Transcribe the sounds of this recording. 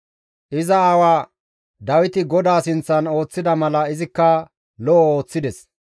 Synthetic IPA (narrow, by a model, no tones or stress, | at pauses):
ʔɪzɐːwaː | d̪ɐwɪt̪ɪɡɔd̪aːsɪnt͡sːɐno̞ːt͡sːɪd̪ɐmɐlɐɪzɪkːɐ | lɔʔɔoːt͡sːɪd̪ɛs